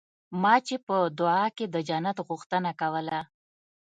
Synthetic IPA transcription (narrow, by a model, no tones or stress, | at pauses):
mɑt͡ʃepəd̪ʊɑked̪əd͡ʒanat̪ɣʊxt̪ənakawəla